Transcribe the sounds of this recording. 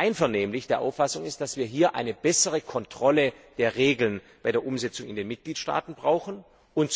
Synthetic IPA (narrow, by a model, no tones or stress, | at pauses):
ʔaɪnfɛɐneːmlɪçd̥eːɐʔa̰ʊfasʊŋɪst̚d̥asv̥iːɐɦiːɐʔa̰ɪnəb̥ɛsəʁəkʰɔntʁ̥ɔləd̥eːɐʁeːɡl̩nb̥aɪdeːɐʔʊmzɛt͡sʊŋɪ̰ndeːnmɪt̚ɡ̥liːtʃta̰ːtn̩bʁaʊxn̩ | ʊnt